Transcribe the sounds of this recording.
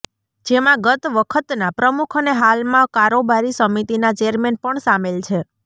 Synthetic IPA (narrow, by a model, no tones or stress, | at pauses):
d͡ʒemãɡət̪ʋəkʰət̪napɾəmukʰəneɦalmãkaɾobaɾisəmit̪inat͡ʃeəɾmenpəɳsamelt͡ʃʰe